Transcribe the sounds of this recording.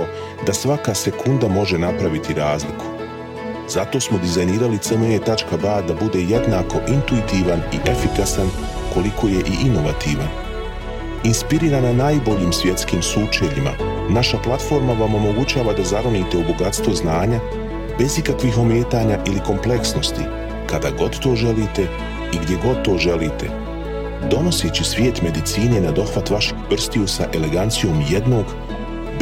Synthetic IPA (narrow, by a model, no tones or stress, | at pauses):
o | d̪asʋakase̞kʰund̪amo̞ʒe̞napɾaʋit̪iɾaːzlikʰu̥ | z̥at̪o̞ːsmo̞d̪izajniːɾalit̪semeet̪at͡ʃkabaːd̪abud̪e̞je̞d̪naːko̞ʔint̪uit̪iːʋaniʔe̞fikasan | ko̞likʰo̞ːje̞ʔiʔino̞ʋat̪iːʋan | inspiɾiːɾananaːjbo̞ʎiːmsʋje̞t̪skiːmsuːt͡ʃeʎima̰ | naʃaplˠat̪fo̞ɾmaʋamo̞mo̞ɡut͡ɕaːʋad̪azaɾoniːt̪e̞uboɡat̪st̪ʋo̞znaːɲa | be̞zikakʋixo̞meːt̪aːɲaʔiliko̞mple̞ksno̞st̪i | kad̪aɡo̞d̪t̪o̞ːʒe̞liːt̪e̞ | iɡd̪je̞ɡo̞d̪̚t̪o̞ːʒe̞liːt̪e̞̰ | d̪o̞no̞set͡ɕisʋʲje̞ːt̪me̞d̪it̪siːne̞nad̪o̞xʋat̪ʋaʃeɡpr̩st̪iusaʔe̞le̞ɡant̪sijo̞ːmje̞d̪no̞ːɡ